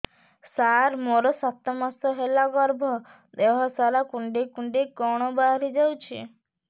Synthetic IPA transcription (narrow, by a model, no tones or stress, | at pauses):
saɾmoɾɔsat̪ɔmasɔɦelaɡɔɾbʱɔ | d̪eɦɔsaɾakuɳɖikuɳɖikɔɽ̃ɔbaɾid͡ʒawt͡ʃʰi